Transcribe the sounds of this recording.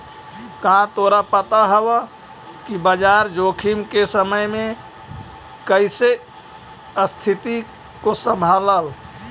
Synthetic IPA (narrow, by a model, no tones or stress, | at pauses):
kɦãt̪oɾapət̪aɦəbə | kibəd͡ʒaɾd͡ʒokʰimkesəməjme | kəɪse | əst̪ʰit̪i | kosəmbʱaləl